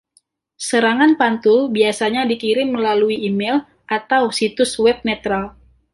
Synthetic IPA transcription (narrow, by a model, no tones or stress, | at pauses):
səɾaŋanpant̪ʊlbiasaɲadikiɾɪmːəlaluiːmɛl | ʔat̪awsit̪ʊswɛp̚nɛt̪ɾal